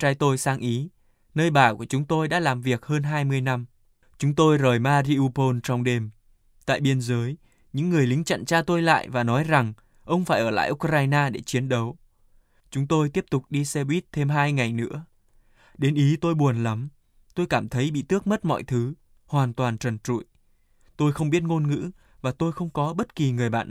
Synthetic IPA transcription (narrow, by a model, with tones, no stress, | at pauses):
t͡ɕa˧jt̪o˧jsaː˧ŋʔi˨˦ | nəː˧jɓaː˨˩ku˧˩ət͡ɕʊ˨˦ŋ͡mt̪o˧jɗa̰ː˧˥laː˨˩mvi˨˩ək̚həː˧nɦaː˧jmɨ˧əjna˧m | t͡ɕʊ˨˦ŋ͡mt̪o˧jzəː˨˩jmaː˧ɾi˧ʔu˧po˧nt͡ɕɔ˧wŋ͡mɗe˧˩m | t̪a̰ː˧˨jɓi˧ənzəː˨˦j | ɲɨ̰˧˥ŋːɨ˨˩əjlï˨˦ŋ̟t͡ɕa̰˧˨nt͡ɕaː˧t̪o˧jla̰ː˧˨jvaː˨˩nɔ˨˦jza˨˩ŋ | ʔə˧wŋ͡mfaː˧˩jʔəː˧˩la̰ː˧˨jʔʊ˦˥kɾaː˧jnaː˧ɗe˧˩t͡ɕi˨˦ənɗə˨˦w | t͡ɕʊ˨˦ŋ͡mt̪o˧jt̪i˦˥əp̚t̪ʊ˨˩k͡p̚ɗi˧sɛ˧ɓwi˦˥t̚t̪ʰe˧mɦaː˧jŋa˨˩jnɨ̰˧˥ə | ɗe˨˦nʔi˨˦t̪o˧jɓu˨˩ənla˨˦m | t̪o˧jkaː˧˩mt̪ʰə˨˦jɓḭ˧˨t̪ɨ˦˥ək̚mə˦˥t̚mɔ̰˧˨jt̪ʰɨ˨˦ | hwaː˨˩nt̪waː˨˩nt͡ɕə˨˩nt͡ɕṵ˧˨j | t̪o˧jxə˧wŋ͡mɓi˦˥ət̚ŋo˧nŋɨ̰˧˥ | vaː˨˩t̪o˧jxə˧wŋ͡mkɔ˨˦ɓə˦˥t̚ki˨˩ŋɨ˨˩əjɓa̰ː˧˨nʔ